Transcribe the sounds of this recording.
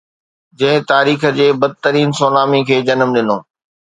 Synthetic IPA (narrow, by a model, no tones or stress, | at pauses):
d͡ʑɐ̃ɦɪ̃t̪aːɾiːx̆d͡ʑeːbɐd̪̚t̪əɾiːnsoːnaːmikʰeːd͡ʑɐnəmɗɪnoː